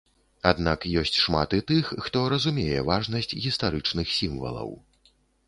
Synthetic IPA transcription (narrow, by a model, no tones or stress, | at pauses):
ad̪nakjɔsʲt͡sʲʂma̰t̪it̪ɨxːt̪ɔɾɐzumʲejɛvaʐnɐsʲt͡sʲɣʲist̪aɾɨt͡ʂnɨxsʲimvɐ̰lˠɐ̰w